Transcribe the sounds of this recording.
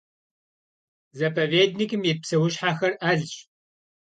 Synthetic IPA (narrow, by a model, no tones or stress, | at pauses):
zɐpʰɐveːdnikʰɨmjɛpsɐwʊɕħaxɐrɐɮɕ